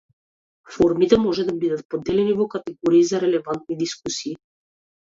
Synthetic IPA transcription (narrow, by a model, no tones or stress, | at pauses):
fɔɾmit̪ɛmɔʒɛd̪abid̪at̪̚pɔd̪ɛlɛnivɔkat̪ɛɡɔɾiːzaɾɛlɛvant̪̚nid̪iskusiː